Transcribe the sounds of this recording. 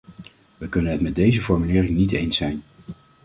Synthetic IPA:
ʋəkɵnənɦətmɛt̚dejzəfɔɹmylɪːrɪŋnitejnsɛjn

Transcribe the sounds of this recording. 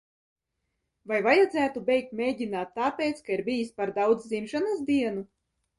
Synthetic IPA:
vajvajad̪zæːt̪ubʲɛjk̚t̪mʲeːɟʲinaːt̪ːaːpʲeːt̪skaiɾbijisʲpaɾd̪awd̪zzimʃanasd̪iɛnu

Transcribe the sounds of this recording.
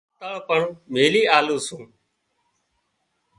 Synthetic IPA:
t̪əɭpəɳmeːliːaːlũːsũː

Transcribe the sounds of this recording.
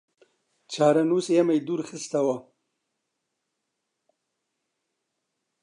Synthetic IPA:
t͡ʃaːɾanusjamajd̪uɾxist̪awa

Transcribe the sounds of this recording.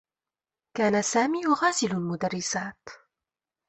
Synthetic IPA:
kaːnasaːmiːɣaːzɪlʊlmʊd̪arːɪsaːt̪

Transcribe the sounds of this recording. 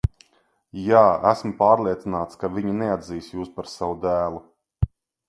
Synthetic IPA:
jaːæsmpaːɾlˠiɛt̪sinaːt̪skaviɲinɛad̪ziːsjuːspaɾsawud̪æːlˠu

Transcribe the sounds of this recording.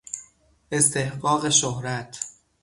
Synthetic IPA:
ʔe̞st̪ʰe̞hɢɒːɣeʃohɾæt̪ʰ

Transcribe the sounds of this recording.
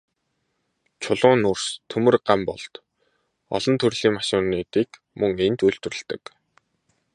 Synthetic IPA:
t͡ɕʰʊɮʊːnʊrst̪ʰɵmɘ̆rɢampɔ̰ɮt̪ | ɔ̰ɮɞ̆nt̪ʰɵrɮiːŋmaʃʊːneːt̪iːk | mɵŋent̪uɬt̪̆rɵ̆ɮt̪ə̆k

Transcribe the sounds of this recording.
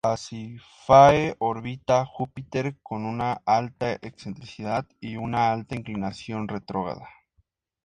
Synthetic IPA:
asi | faeʔoɾβit̪axupit̪eɾko̞nunaʔalt̪aʔeksent̪ɾisiðaðiunaalt̪aiŋklinasjo̞nret̪ɾoɣa̰ða

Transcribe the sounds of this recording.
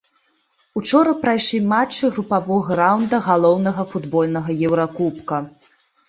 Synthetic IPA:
ut͡ʂɔɾɐpɾajʂlʲimat͡ʂːɨɣɾupavɔɣɐɾawnd̪ɐɣalˠɔwnɐɣɐfud̪bɔlʲnɐɣɐjɛwɾakupkɐ

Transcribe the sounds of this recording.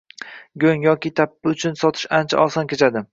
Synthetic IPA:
ɡʲoŋjɒkʲɪt̪ʰapːɪʊt͡ʃʰʊnsɒt̪ʰɪ̥ʃant͡ʃʰa̰ʔɒsɒnkʲet͡ʃʰad̪ɪm

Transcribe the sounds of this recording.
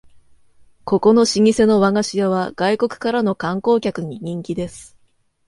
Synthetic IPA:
ko̞ko̞no̞ɕiɲ̟ise̞no̞βaŋaɕijaβ̞aɡ̥aiko̞kɯ̟̥kaɾano̞kãŋko̞ːkʲakɯ̟ɲ̟iɲ̟ĩŋkʲid̪e̞sɨ̥

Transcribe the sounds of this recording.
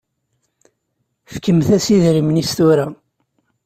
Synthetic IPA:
fkəmθæsiðɾimnist̪uɾæ

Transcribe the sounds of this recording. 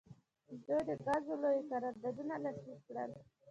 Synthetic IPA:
d̪ojd̪əɡazolojekaɾɑɾd̪aɾunalaslikkɽə̰l

